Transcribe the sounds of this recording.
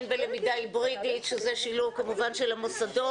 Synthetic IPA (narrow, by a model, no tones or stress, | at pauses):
nbelemid̪aibʁid̪it̪ʃezeʃiluvkamuvanʃelamosado